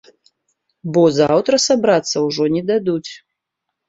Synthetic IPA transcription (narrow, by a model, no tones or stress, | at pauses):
bɔzawt̪ɾɐsabɾat̪sːɐwʐɔnʲɛd̪ad̪ut͡sʲ